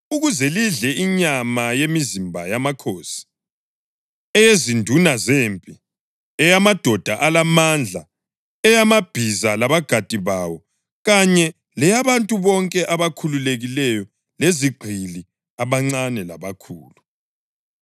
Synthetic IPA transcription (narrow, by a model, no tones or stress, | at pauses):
uɣuzeliɮɛiɲamajemizimbʱajamakʰoːsi̥ | ɛjezindʱunazempʼi | ɛjamad̥ʱɔd̥ʱaʔalamand͡ɮʱa | ɛjamab̥ʱizalaβaɡ̥ʱad̥ʱʼiβawɔ | ɣaɲɛ | lɛjaβantʼuβɔŋkʼɛʔaβakʰululeɣilɛjɔ | leziɡ͡ǃʱili | aβaŋ͡ǀanɛlaβakʰṵːlu